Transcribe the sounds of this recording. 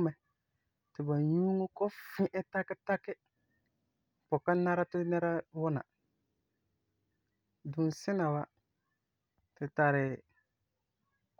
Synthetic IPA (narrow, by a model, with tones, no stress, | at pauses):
mɛ˨ | tɪ˨ba˨ju˦ŋo˦kɔ˦fɪ̃˦ʔɛ˦ta˦kɪ˦ta˦kɪ˦ | pʊ˨ka˦na˦ɾa˦tɪ˦nɛ˦ɾa˦wʊ˦na̰˨ | du˨n˨sɪ˦na˨wa˦ | tɪ˨ta˨ɾɪ˨